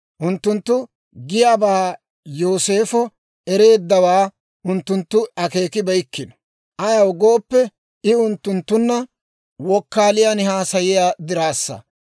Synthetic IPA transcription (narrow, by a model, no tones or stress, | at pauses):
ʔʊnt̪ːʊnt̪ːʊ | ɡɪjaːbaː | joːse̞ːfɔ | ɛɾe̞ːd̪ːɐwaː | ʔʊnt̪ːʊnt̪ːʊɐke̞ːkɪbɐjkːɪnɔ̥ | ʔɐjɐwɡo̞ːpːɛ | ɪʊnt̪ːʊnt̪ːʊnːɐ | wɔkːaːlɪjanɪɦaːsɐjɪjaːd̪ɪɾaːsːɐ̰